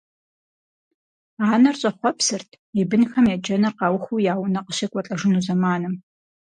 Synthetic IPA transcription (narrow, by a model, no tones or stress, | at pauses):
aːnɐrɕʼɐχʷɔpsɨrtʰ | ibɨnxɐmjɛd͡ʒɐnɐrqɑwxujaːwʊnɐqəɕɪkʷʼɔt͡ɬʼɐʒɪnuːzɐmaːnɨm